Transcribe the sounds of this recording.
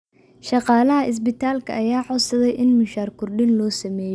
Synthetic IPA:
ʃɑqɑːlɐɦɐʔɪs̬bɪt̪ʰaːlkʰɐ̰ʔːjaːʕɔsɐðɛjʔɪnmʊʃaːrkʰʊrɖɪnlɔːsɐmɛːj

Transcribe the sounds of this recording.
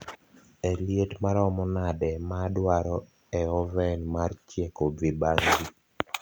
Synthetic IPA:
eljetmaɾɔmɔnadɛmadwaɾɔ | ɛɔvɛnmart͡ʃjekobibaŋɡi

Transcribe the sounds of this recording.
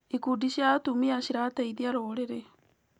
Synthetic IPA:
ikudiʃiatumiaʃiɾatɛiðiaɾoːɾeɾe

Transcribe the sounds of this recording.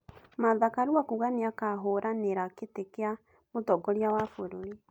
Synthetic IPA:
maðakaɾuakuɣaneakaɦoːɾʔaneɾaketekea | motɔɡɔɾeawafoɾoɾe

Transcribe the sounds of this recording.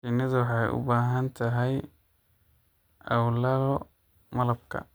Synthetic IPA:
fɪnːɐðʊwɑħɑjʊ̰baːɦɐnt̪ʰɐɦɛj | ʔɐwlɐlɔ | mɐlɐb̚kʰɐ̰

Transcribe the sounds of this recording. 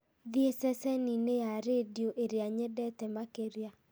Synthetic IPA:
ðjesɛsɛninejaɾedjoʔeɾeaɲɛdɛtɛmakeɾja

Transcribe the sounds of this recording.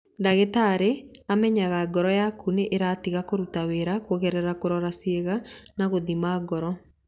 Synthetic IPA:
daɣetaɾeamɛɲaɣaɡɔɾɔjakuneʔeɾatiɣakoɾutaweɾakwoɣɛɾɛɾakoɾɔɾasieɣanaɣoðimaːɡɔɾɔ

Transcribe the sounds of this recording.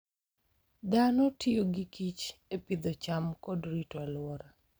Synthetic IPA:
d̪anɔtʰɪoɡikit͡ʃepid̪ot͡ʃamkɔdɾitɔalʊwɔɾa

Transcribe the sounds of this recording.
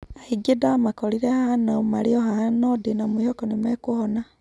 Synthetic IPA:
aiɡidamakoliɾehahanomaliohahanodinomuhokonimekuhona

